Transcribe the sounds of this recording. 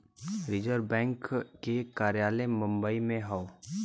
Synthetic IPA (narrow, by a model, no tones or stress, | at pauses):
ɾɪd͡ʒəɾbɛ̃ːŋkːekaːɾjaːlemʊ̃mbəimẽɦao